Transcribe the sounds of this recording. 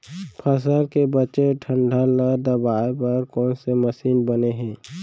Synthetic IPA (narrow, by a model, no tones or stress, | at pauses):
pʰəs̬əlkebət͡ʃeʈʰə̃ɳɖʱaləd̪əbaːepɐɾkɔːnseməsiːnbəneɦɛ̃ː